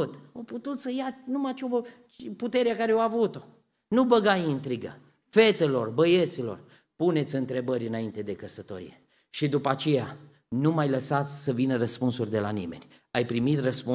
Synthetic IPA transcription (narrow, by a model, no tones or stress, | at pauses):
ut̪oput̪ut̪səjanumat͡ʃo | put̪e̞ɾeakaɾeoavut̪o̞ | nubəɡajint̪ɾiɡə̰ | fe̞t̪elo̞rbəjet̪silo̞̰r | pune̞t̪sʲɨnt̪ɾe̞bəɾʲɨnaint̪e̞d̪e̞kəsət̪o̞ɾḭje | ʃid̪upat͡ʃe̞ja | numajləsat̪sʲsəvinəɾəspunsurʲd̪e̞lanime̞̰nʲ | ajpɾimit̪rəspu